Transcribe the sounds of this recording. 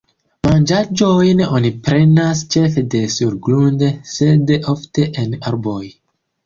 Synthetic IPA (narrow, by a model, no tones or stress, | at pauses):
mand͡ʒad͡ʒo̞jnonipɾe̞nast͡ʃe̞fede̞suɾɡlunde̞se̞dʔofte̞ʔenaɾboj